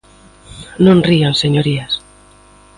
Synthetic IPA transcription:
nõnrianseɲoɾias

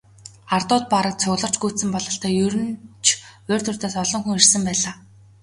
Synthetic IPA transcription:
art̪ʊːt̪̚paɾə̆k̚t͡sʰʊɣɮə̆r̥t͡ɕɡuːsɘ̆mpɔɮɞ̆ɬt̪œːjɵɾɵ̆nt͡ɕʰɵːr̥ʲt̪ɵ̆rt̪æːsɔɮɞ̆ŋxuŋirsɘ̆mpæːɮaː

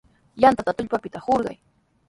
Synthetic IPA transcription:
jant̪at̪at̪ʊʎpapɪt̪ahoɾɢɑ̰j

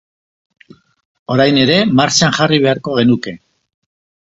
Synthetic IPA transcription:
o̞ɾajne̞ɾe̞maɾt͡sanʝariβ̞e̞aɾko̞ɣ̞e̞nuke̞

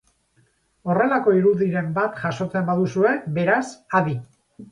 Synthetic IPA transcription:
o̞re̞lako̞iɾuðiɾe̞mbat̪ʝaso̞t͡se̞mbaðusue̞βe̞ɾasaði

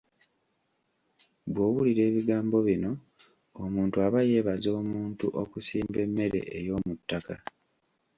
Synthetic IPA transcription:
βwo̞ːβuliɾe̞ːβiɡaːmbo̞βino̞ | omuːntuaβaje̞ːβazo̞ːmuːntuʔokusiːmbe̞mːe̞ɾe̞̰ʔejo̞ːmutːaka

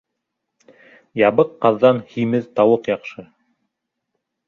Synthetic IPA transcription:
jɑβɤqːɑðːɑnhimɘðt̪ɑwɤqjɑqʃɤ

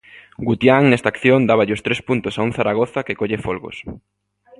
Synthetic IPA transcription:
ɡut̪jaŋnɛst̪aːkθjond̪aβaʎʊst̪ɾespunt̪osauŋθaɾaɣ̞oθakekoʎefolɣo̰s

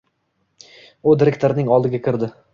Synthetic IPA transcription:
ʊd̪ɪɾekt̪ʰoɾɪnɪŋɒlˠd̪ɪɡʲakʲʰɪɾd̪ɪ

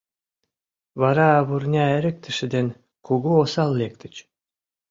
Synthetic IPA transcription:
βɑɾɑːβurnʲɑĕɾɘ̆k̚t̪ʰɘ̆ʃɘ̆d̪en | kuɣuosɑlːek̚t̪ɘ̆t͡ɕ

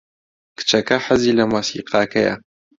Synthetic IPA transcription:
kɨ̥t͡ʃɐkaħazilɐmasḭːqaːkɐja̰

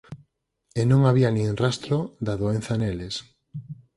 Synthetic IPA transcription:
enõŋaβ̞ianĩrast̪ɾod̪aðoen̟θaneles

